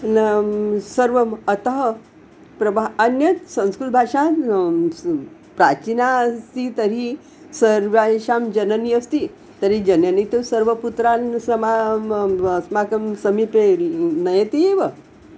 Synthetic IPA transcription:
səɾʋəmət̪əɦə | pɾɐbʱaənjəsə̃nskulbʱaʂã | pɾat͡ɕinast̪it̪əɾi | səɾʋaʂamd͡ʑənəniəst̪i | t̪əɾid͡ʑənjənit̪usəɾʋəput̪ɾansəma | əsmakəmsəmipeɾinəjet̪ieʋə

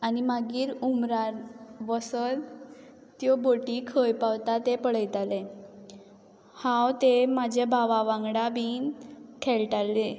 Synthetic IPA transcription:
animaɡiːɾumɾaɾʋəsəl | t̪jɔboʈikʰəjpawt̪at̪epəɽ̤əjt̪ale | hãwt̪emad͡ʑʱebʱaʋaʋãŋɡɽabiːnkʰeɭʈalːe

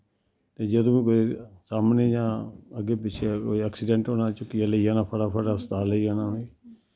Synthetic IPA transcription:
t̪eːd͡ʒəd̪õːĩːkoːisaːmneːjãːəɡeːp̬ɪt͡ʃʰekoːiːaːksɪɖɛ̃ːɳʈɦoːnaːt͡ʃʊkijaləiːaːnaːpʰəɽaːpʰəɽaːsət̪aːləiaːnaːɦoiː

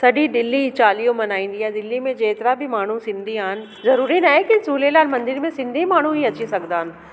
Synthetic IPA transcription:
sɐɖʱid̪ɪlːit͡ɕaːlijõmɐnaːĩːnd̪ijaːd̪ɪlːimẽd͡ʑeːt̪ɾabʱɪmaːɳ̤usɪ̃nd̪ʱiaːɦɪnɪ̆ | zɐɾuːɾinaːɦekisuːlelaːlmɐ̃nd̪ɪɾmẽsɪ̃nd̪ʱimaːɳ̤ũɦiɐt͡ɕisɐɡnd̪aːɦɪn̆

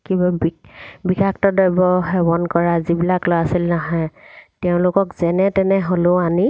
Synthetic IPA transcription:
kibabibikaktɔdɔjbɔɦɛbɔnkɔɹazibilaklojasilnaɦɔ̃jtɛʊ̃lʊkɔkzɛnɛtɛnɛɦoloani

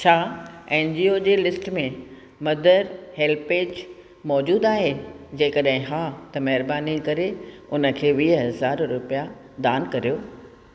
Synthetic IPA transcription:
t͡ɕʰaːẽːnd͡ʑiːod͡ʑeːlɪsʈmẽ | mɐd̪əɾheːlpeːd͡ʑ | mɔːd͡ʑuːd̪aːɦed͡ʑẽːkɐɗɦɪ̃ɦaːt̪ɐmɐɦɪɾbaːnikɐɾeʊnə̆kʰeːʋiːɦɐɐzaːɾɾʊpija | d̪aːnkɐɾijoː

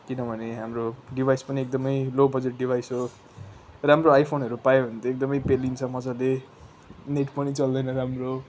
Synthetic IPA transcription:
kinʌbʱʌneɦamroɖibʱajspʌniek̚d̪ʌmʌjlobʌd͡zeʈ̚ɖibʱajso | ramroajpʰonɦʌɾupajoɦʌnt̪ʰjoek̚d̪ʌmʌjpelint͡sʰʌmʌd͡zale | neʈpʌnit͡sʌld̪ʌjnʌɾamro

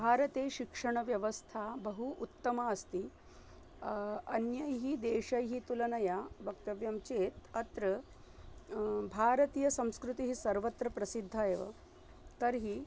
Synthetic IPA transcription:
bʱaːɾɐt̪eːʃikʂɐɳ̃ɐʋjɐʋɐst̪ʰabɐɦuʔut̪ːɐmaɐst̪i | ɐnjɐjɦid̪eːʃɐjɦit̪ulɐnɐjabɐkt̪ɐʋjɐmt͡ʃeːt̪ɐt̪ɾɐ | bʱaːɾɐt̪iːjɐsɐ̃w̃skɾut̪iɦisɐɾʋɐt̪ɾɐpɾɐsid̪ʱːajeʋɐ̰ | t̪ɐɾɦi

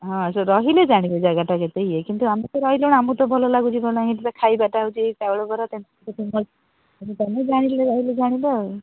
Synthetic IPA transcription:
ɦɔ̃asɔɾɔɦiled͡ʒaɽ̃ibɔd͡ʒaɡaʈaket̪eiekint̪uamit̪ɔɾɔɦilewɽ̃amũt̪ɔbʱɔlɔlaɡũt͡ʃʰibʱɔlaɡit̪takʰajbaʈaut͡ʃit̪abɔɭobɔɾat̪ent̪kt̪ʰimɔ | sɔt̪aned͡ʒaɽ̃ileɾɔɦiled͡ʒaɽ̃ibɔ

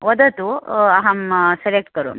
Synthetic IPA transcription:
ʋɔd̪ɐt̪uɐɦɐmselek̚ʈkɐɾṵm

